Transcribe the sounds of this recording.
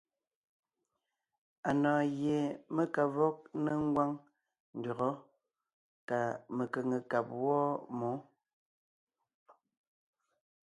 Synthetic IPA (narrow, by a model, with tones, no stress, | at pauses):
a˨nɔː˨ɣje˨mə˦ka˨vɔ˦k̚ne˦ŋ̩˦ɡwa˦ŋ | n̩˨dɔ˨ɣɔ˦ | ka˨me˨kə˨ŋə˨ka˨p̚wɔː˦mo˨˦